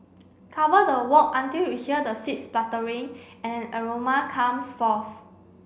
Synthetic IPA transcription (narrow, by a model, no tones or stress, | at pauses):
kʰavədəwɔkãntilwihiədəsit̚splatəɹĩŋ | ɛ̃nɛ̃nəɹomakʰãmsfɔθ